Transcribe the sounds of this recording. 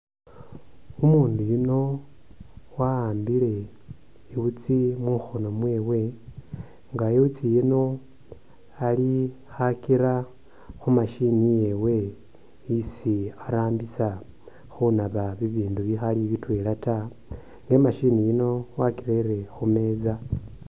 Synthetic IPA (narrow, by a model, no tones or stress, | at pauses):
umuːndujuno̞ | waaːmbile̞ | iβut͡simuxono̞mwe̞ːwe̞ | ŋɡaiwut͡sijino̞ | ali | xakiɾa | xumaʃinije̞we̞ | isiaɾaːmbisa | xunaβaβiβiːnduβixaliβitwe̞ːlata | ŋɡe̞maʃinijino̞wakiɾeiɾe̞xume̞ːza